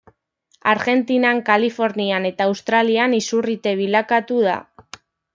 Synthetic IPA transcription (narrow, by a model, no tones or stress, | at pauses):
a̰ɾɣe̞nt̪inaŋkalifo̞ɾniane̞t̪aːwst̪ɾalianisurit̪e̞β̞ilakat̪uð̞a̰